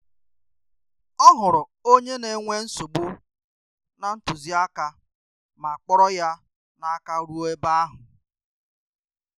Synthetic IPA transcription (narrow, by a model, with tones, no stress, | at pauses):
ɔ˦ɦʊ˨ɾʊ˨ | o˦ɲe˦ne˨˦ŋʷe˦n̩˦so˨ɡ͡bu˦ | na˨n̩˦tʊ˨zi˦a˦ka˦ | ma˨a˨k͡pɔ˦ɾɔ˦ja˦ | na˨a˦ka˦ɾu˦o˦e˦ba˦a˦ɦʊ˨